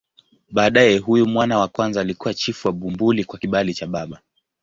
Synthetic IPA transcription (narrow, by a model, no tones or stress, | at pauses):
ɓaːɗajɛɦujumwanawakwanzaːlikuwat͡ʃifuwaɓumbulikwakiɓalit͡ʃaɓaɓa